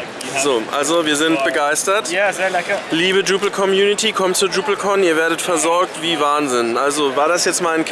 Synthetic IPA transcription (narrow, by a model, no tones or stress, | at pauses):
z̥oːʔa̰lzoviːɐzɪntb̥əɡaɪstɐt | liːbəduːpl̩kʰɔmjuːnɪtʰikʰɔmtt͡suːɐduːpl̩kʰɔniːɐveːɐɾətfɛɐzɔɐk̚tv̥iːvaːnzɪnʔalzovaːɐdasjɛt͡stmaːnkʰ